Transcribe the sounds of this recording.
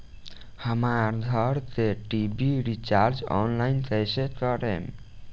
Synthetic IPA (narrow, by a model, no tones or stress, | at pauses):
həmaɾd̪ʱəɾt̪eʈibiɾit͡ʃaɾd͡ʒɔ̰nlajnt̪əsekəɾḛm